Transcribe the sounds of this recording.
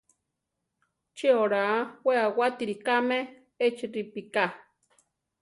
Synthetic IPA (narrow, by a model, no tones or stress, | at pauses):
t͡ʃioɾaweawat̪iɾikame | et͡ʃiɾipika